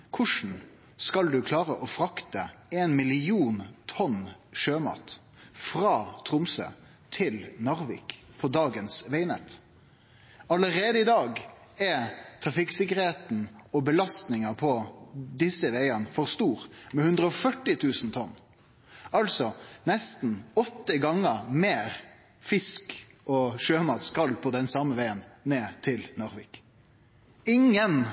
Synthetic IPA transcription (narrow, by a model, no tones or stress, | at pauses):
kʰʊʂn̩ | skɑld̪ʉkʰlɑːʁəʔɔfɾɑkt̪əeːnmɪlɪuːnt̪ʰɔnʃøːmɑ̰ːt̪ | fʁɑːt̪ʰʁʊmsø̰ː | t̪ʰɪlnɑʁʋɪ̰ːkpʰɔd̪ɑːɡənsʋeɪnɛt̪ | ɑləʁeːd̪əɪd̪ɑːɡɛt̪ʰɾɑfɪksɪkəʁheːt̪n̩ɔbəlɑst̪nɪŋəpʰɔd̪ɪsəʋæɪənfɔʁst̪uːʁmɛhʉnd̪ʁəɔfœʈːɪt̪ʰʉːsn̩t̪ʰɔnː | ɑlsɔnɛst̪n̩ɔt̪ːəɡɑŋːəɾmeːɾ | fɪsk | ɔʃøːmɑːt̪skɑlːpʰɔd̪ɛnsɑməʋæɪənːeːt̪ʰɪlnɔʁʋɪk | ɪŋːən